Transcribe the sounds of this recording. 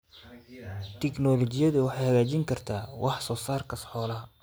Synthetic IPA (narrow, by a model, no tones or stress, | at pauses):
t̪ʰɛknɔlɔt͡ʃɪjɐðʊwɑħɑjhɐɣaːt͡ʃɪŋkʰɐrt̪ʰaːwʔɑħsɔːsaːrkʰɐsħɔːlɐɦɐ